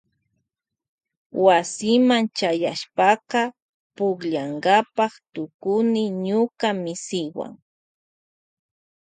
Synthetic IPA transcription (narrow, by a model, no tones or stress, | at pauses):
wasɪmant͡ʃajaʃpɑqɑ | pʊkʎaŋɢapɑχt̪ʊkʊnɪɲʊkamɪsɪwa̰ŋ